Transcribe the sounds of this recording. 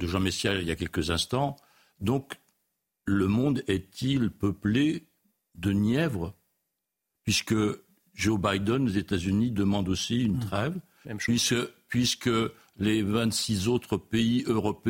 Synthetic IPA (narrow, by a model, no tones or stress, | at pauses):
d̪əʒɑ̃mesjailjakʲɛlkəzɛ̃st̪ɑ̃ | d̪ɔ̃k | ləmɔ̃d̪ɛt̪ʰilpəple | d̪ənjɛvʁə | pɥiskə | ʒobajd̪ɔnozet̪azynid̪əmɑ̃d̪osiynt̪χɛv | ɥiskəpɥiskə | levɛ̃t̪sizot̪χəpeiøʁɔp